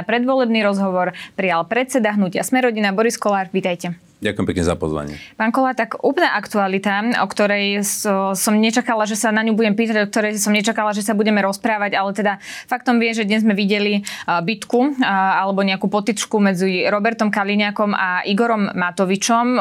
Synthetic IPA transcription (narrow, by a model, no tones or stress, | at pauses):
apɾɛd̪ʋɔlɛbniɾɔzɦɔʋɔɾpɾijalpɾɛt͡sɛd̪aɦnucɪa̰smɛɾɔɟinabɔɾiskɔlaːɾʋiːt̪ajcɛ | ɟakuʊjɛmpɛkɲɛza̰pɔ̰zʋa̰ɲɪɛ̰paːnkɔlaːɾt̪akuːplnaʔakt̪ualit̪aɔkt̪ɔɾɛj | sɔmɲɛt͡ʃakalaʒɛsanaɲubuɟɛmpiːt̪aɟɔk̚t̪ɔɾɛjsɔmɲɛt͡ʃakalaʒɛsabuɟɛmɛɾɔspɾaːʋaɟalɛt̪ɛd̪afak̚t̪ɔmʋɪɛʒɛd̪ɲɛzmɛʋiɟɛlibit̪kualɛbɔɲɛakuːpɔt̪it͡ʃkumɛd͡ziɾɔbɛɾt̪ɔmkaliɲakɔmaʔiɡɔɾɔmːat̪ɔʋit͡ʃɔm